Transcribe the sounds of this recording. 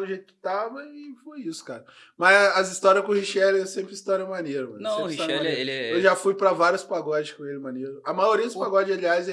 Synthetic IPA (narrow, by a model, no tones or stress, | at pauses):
d̪ʊʒejt̪ʊkɪ̥t̪avɐɪfojisʊ̥kaɾɐ | mɐzɐzist̪ɔɾiɐskõhiʃɛlɛsẽmpɾɪist̪ɔɾɛmɐneɾɐmɐ̃nɐ̃sẽpɾhsiʃt̪aeɾeewʒafujpɾɐvaɾjʊspaɡɔd͡ʒɪkõelɪmɐneɾʊɐmajoɾiɐd̪ʊspaɡɔd͡ʒɪaliaz